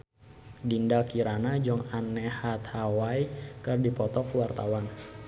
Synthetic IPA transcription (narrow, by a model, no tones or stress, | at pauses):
dindakiɾanad͡ʒɔŋanːɛhat̪hawaikɨrdipɔt̪ɔkwart̪awan